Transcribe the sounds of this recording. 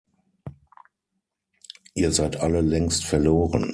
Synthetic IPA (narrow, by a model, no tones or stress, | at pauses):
ʔiːɐzaɪtʔaləlɛŋstfɛɐloːʁən